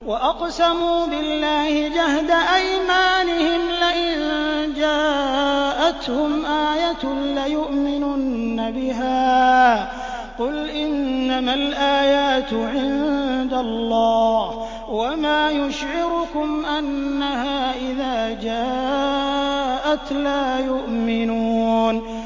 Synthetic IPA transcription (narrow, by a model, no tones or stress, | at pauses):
waʔɑqsamuːbɪlːaːhɪd͡ʒahd̪aʔajmaːnɪhɪmlaʔɪnd͡ʒaːʔat̪hʊmʔaːjat̪lajʊʔmɪnuːnnːabɪɦaː | qʊlʔɪnːamalʔaːjaːt̪ʕɪnd̪alˤːɑːh | wamaːjʊʃʕɪɾʊkʊmʔanːahaːʔɪðaːd͡ʒaː | ʔat̪laːjʊʔmɪnuːn